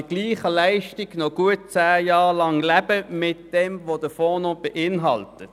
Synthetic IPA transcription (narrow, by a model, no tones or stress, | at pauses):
əɡ̥liːχəlæɪʃtiɡnɔɡuət̚t͡sæːjɑːʁlɑŋlæb̥əmɪt̚d̥ɛmʋod̥əfɔːnob̥eʔɪnɦɑltə